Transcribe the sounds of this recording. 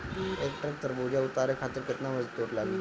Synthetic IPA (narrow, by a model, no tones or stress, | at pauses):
ekʈɾak̚t̪əɾbod͡ʑjaut̪aɾekʰat̪əɾket̪naʋəd͡zt̪oʈlaɡ